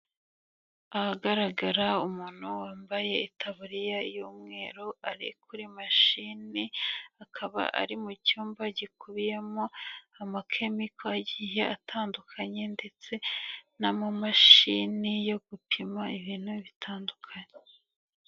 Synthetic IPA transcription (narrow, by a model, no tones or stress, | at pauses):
ahaɡaɾaɡaɾaumuːn̥huwaːmbaje̞itʰaβuɾijaijoːmŋe̞ːɾoaɾḭkʰuɾimaʃiniakʰaβa̰ʔa̰ɾimucuːmbaɟikuβijemoamakʰe̞mikʰoaɟiːje̞atʰaːndukʰaɲe̞nde̞t͡se̞namumaʃinijo̞ɡ̥upʰimaiβiːnhuβitʰaːndukʰaɲe